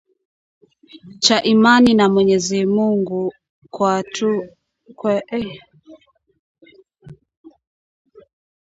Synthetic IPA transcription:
t͡ʃaʔimaninamwɛɲɛzimuŋɡu | kwatʰu | kwɛʔɛ

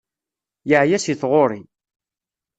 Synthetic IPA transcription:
jəʕjæsiθʁoɾˤi

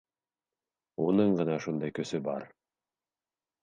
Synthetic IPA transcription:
unɤɴɢɤ̆nɑʃund̪ɑjkɵ̆sɵbɑ̰ɾ

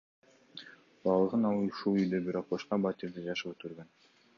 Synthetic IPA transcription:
bɑlˠɤʁɯnɑlˠɯuʃulˠyjd̪øbiɾoq̚bɑʃqɑbɑt̪iɾd̪ɪd͡ʒɑʃɯpøt̪ɡøɾɡøn

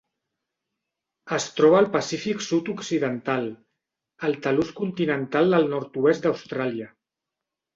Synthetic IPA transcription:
əst̪ɾɔβ̞əːlˠpəsifiksut̪uksiðənt̪al | əlˠt̪əluskunt̪inənt̪alˠd̪əlˠnɔɾt̪uɛst̪d̪awst̪ɾaliə

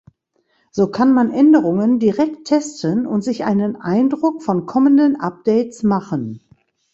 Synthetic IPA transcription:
z̥oːkʰanmanʔɛndəʁʊŋəndiʁɛk̚tʰːɛstənʊ̰ntz̥ɪçʔa̰ɪnənʔa̰ɪndʁʊkfɔnkʰɔməndənʔap̚d̥ɛɪtsmaχən

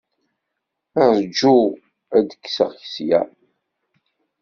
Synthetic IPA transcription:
əʁzəd͡ʒːu | æd̪əkːsə̰ʁçəsjæ̰

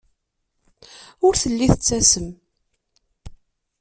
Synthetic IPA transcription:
ʊɾθəlːiθət͡sːæsəm

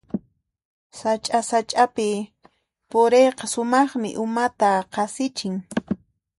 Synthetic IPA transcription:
sat͡ʃʼasat͡ʃʼapɪ | pʊɾejqɑsʊmɑχmɪ̰ʔʊmat̪aqɑsɪt͡ʃɪŋ

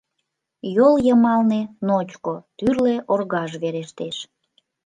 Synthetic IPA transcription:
joljəmɑlnenot͡ɕkot̪yrleʔorɣɑʒβeɾeʃt̪eʃ

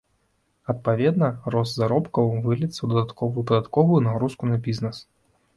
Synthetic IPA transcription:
ɐt̪̚pavʲɛd̪nɐrɔst̪zaɾɔpkɐwvɨlʲɛt̪sːɐwd̪ɐd̪at̪kɔvɨjupɐd̪at̪kɔvujunaɣɾuskunɐbʲiznɛs

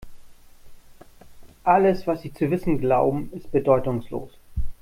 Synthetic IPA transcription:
ʔaləsv̥asz̥iːt͡suvɪsn̩ɡlaʊbm̩ɪst̚b̥ədɔʏtʊŋslo̰ːs

